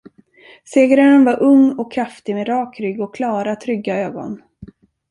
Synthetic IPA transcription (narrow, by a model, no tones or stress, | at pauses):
seːɡɾaənvaɾʔɵŋːɔkʰːɾaft̪ɪmeːd̪ɾɑːkɾʏɡɔkːʰlɑːɾat̪ʰɾʏɡːaøːɡɔ̰n